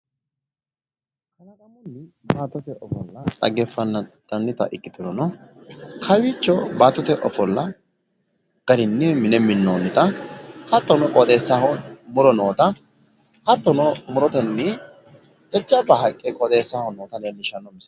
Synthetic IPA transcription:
kɐnɐd̪ɐnɐnːɪ | baːt̪ːɔt̪ɛʔɔfɔlːɐt̪ʼɐ̰ɡɛfːɐnːɐt̪ɐnːɪt̪ɐ̰ʔɪkʼːɪt̪ɔnɔnɔ | kʰɐwit͡ʃːɔbaːt̪ːɔt̪ɛʔɔfɔlːɐ | ɡ̥ɐdɪnːɪmɪnɛmːɪnːoːnːɪt̪ɐhɐt̪ːɔnɔkʼɔd̪eːsːahɔmʊlɔnoːt̪ɐ | hɐt̪ːɔnɔmʊɾɔt̪ɛnːɪ | ɛt͡ʃːɐbɐɦɐkʼːɛkʼɔd̪eːsːahɔnoːt̪ɐleːnːɪʃɐnːɔmɪs

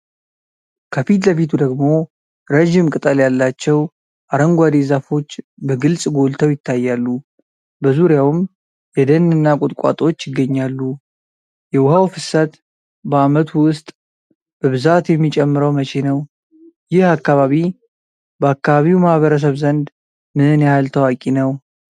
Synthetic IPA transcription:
kʰəfit̪ləfit̪ʰud̪əɡmo̞ | ɾəʒimkʼɨt̪ʼəljalːat͡ʃːɛw | ʔaɾəŋɡʷad̪ezafo̞t͡ʃːbəɡɨlsʼɡo̞lt̪ʰəwjɪt̪ʰːajːalːu | bəzuɾjawɨm | jɛd̪ənɨnːakʼʊt̪ʼkʷʼa̰t̪ʼo̞t͡ʃːjɪɡːəɲːalːu | jɛwʊhawfɨsət̪ | bəamət̪ʰuwwʊst̪ʼ | b̥əβɨzat̪jɛmːit͡ʃʼɛmːɨɾəwmət͡ʃʰenəw | jɪhakːaβaβi | bəakːaβaβiwmahβəɾəs̬əβzənd̪ | mɨhɨnjhalt̪ʰəwakʼinəw

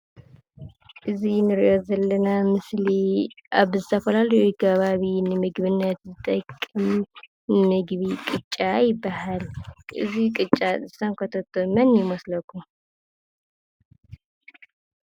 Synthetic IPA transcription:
ʔɨzinɨɾiʔo̞zɐlːɐnamɨsliʔaβzɨt̪ʰɐfɐlalɐjukʰɐβaβinɨmɨɡβɨnːət̪zɨt̪ʼɐkʼːɨm | nɨmɨɡβikʼɨt͡ʃʼːajɪbːahalʔɨ̰zikʼɨt͡ʃʼːazɨsaŋkʰot̪ʰot̪ʰːomɨnjɪmɐslɐkʰːum

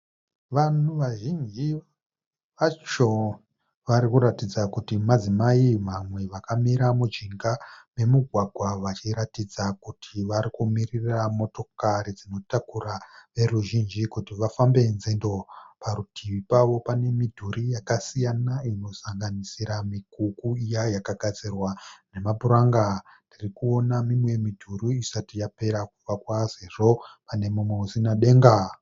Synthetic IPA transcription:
ʋanuʋaʒind͡ʒi | ʋat͡ʃo | ʋaɾikuɾatid͡zakutimad͡zimaimamwe̞ʋakamiɾamud͡ʒiŋɡame̞muɡʱwaɡʱwaʋat͡ʃiɾatid͡zakutʰiʋaɾikumiriramo̞to̞kaɾid͡zino̞takuraʋe̞ruʒind͡ʒikutiʋafambe̞nzendo̞paɾutʰiʋipaʋo̞pane̞midʱuɾijakasijanaino̞saŋɡanisiɾamikukuijajakaɡʱad͡zirwane̞mabuɾaŋɡatirikuo̞namimwe̞midʱuruisatijape̞ɾakuvakwase̞ʐo̞pane̞mumweusinaɗe̞ːŋɡa

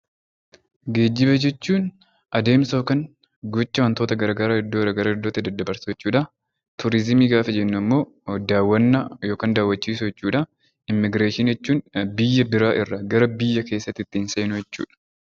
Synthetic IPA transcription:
ɡe̞ːd͡ʒːɪbɐd͡ʒɛt͡ʃːuːn | ʔɐd̪e̞ːmso̞ːkɐn | ɡɔt͡ʃːɐwɐnt̪o̞ːt̪ɐɡɐɾɐɡɐɾaːɪd̪ːoɡɾɐɡɐɾɐɪd̪ːoːt̪ːɪd̪ɐd̪ːɐbɐɾsɐjɛt͡ʃːuːᶑɐ | t̪ʊɾɪzmiːɡaːfɛd͡ʒɛnːʊɐmːo̞ː | d̪aːwːɐnːɐjoːkaːnd̪aːwːɐt͡ʃːiːsʊjɛt͡ʃːuːᶑɐ | ɪmːɪɡɾeːʃɪnd͡ʒɛt͡ʃːuːnbɪjːɐbɪɾaːʔɪrːɐɡɐɾɐbɪjːɐke̞ːsːɐt̪ːɪt̪ːɪnseːnʊjɛt͡ʃːṵːᶑɐ̥

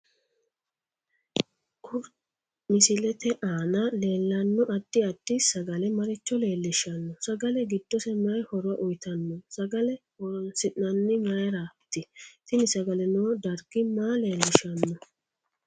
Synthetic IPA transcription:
ʔʊɾ | mɪsɪlɛt̪ɛʔaːnɐle̞ːlːɐnːɔʔɐd̪̥ːɪɐd̪̥ːɪsɐɡɐlɛmɐɾɪt͡ʃːɔle̞ːlːɪʃɐnːɔsɐɡɐlɛɡɪd̪ːɔsɛmɐjhɔɾɔɐʔʊjt̪ɐnːɔsɐɡɐlɛ | ɔnsɪʔːɐnːɪmɐjɐɾat̪ːɪt̪ɪnɪsɐɡɐlɛnoːd̪ɐɾɡɪmaːle̞ːlːɪʃɐnːɔ

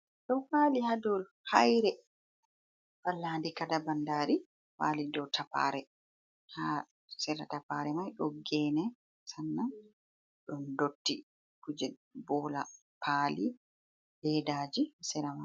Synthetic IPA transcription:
ɗɔfaːlihadɔl | hajɾɛ | falːaːndikadabandaːɾi | wa̰ːlidɔwtʰapa̰ɾɛ | ha | sɛɾatapaːɾɛmajɗɔɡɛːnɛ | sanːa | ɗɔndotːi | kud͡ʒɛbɔla̰ | paːli | dɛdaːd͡ʒisɛɾama

